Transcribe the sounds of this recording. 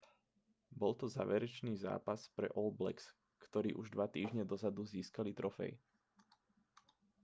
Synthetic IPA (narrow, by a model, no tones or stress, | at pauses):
bɔlt̪ɔza̰ːʋɛɾɛt͡ʃniːza̰ːpaspɾɛ̰ʔɔlblɛ̰ks | kt̪ɔɾḭːʔuʒd̪ʋat̪iːʒɲɛd̪ɔzad̪uziːskalit̪ɾɔfɛ̰j